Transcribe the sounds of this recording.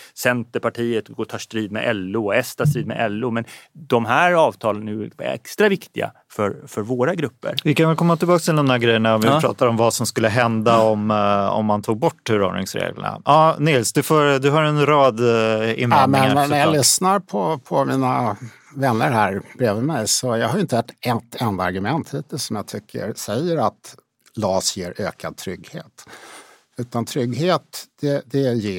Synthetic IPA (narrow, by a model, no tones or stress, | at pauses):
sɛnt̪əɾpʰaʈʰiːət̪ɡot̪ʰɑːʂt̪ɾiːd̪̚mɛ̰ʔɛlːʊɔɛst̪ʰast̪ɾiːd̪mɛ̰ʔɛlːʊmɛnd̪ɔmɦæːɾɑːvt̪ʰɑːlənʉɛ̰kst̪ɾavɪkt̪ɪɡa̰ | fœɾfœɾvoːɾaɡɾɵpːə̰ɾvɪkanvɛlkʰɔmːat̪ʰɪlbɑːkst̪ʰɪld̪ɔmæːɾɡɾɛjːəɳaɔvvɪɾɑ̰ːt̪aɾɔmvasɔmskɵlːəɦɛnd̪aɔmɔ̰mːant̪ʰuːɡ̚bɔʈːhʉɾo̰ːɳɪ̰ŋsɾḛːɡlə̰ɳa̰ɑːnɪlsd̪ɵfoːɾd̪ɵɦaɾɛnɾɑːd̪ɪ̰nmɛnnæjalʏsnaɾpʰɔpʰɔmiːna | vɛnːəɾɦæːɾbɾeːvəmɛjsɔjɑːɡɦhaɾʏɪnt̪əɛʈːɛt̪ʰːɛnd̪aaɾɡɵmɛnt̪hiːt̪əsɔmjɑɡt̪ʰʏkʰːə̰ɾsɛjːəɾat̪ | lɑːsjeːɾʔøːkʰad̪̚t̪ʰɾʏɡhḛːt̪ | ʉ̟ːt̪ant̪ʰɾʏɡːɦeːt̪d̪̥ɛd̪ɛjeː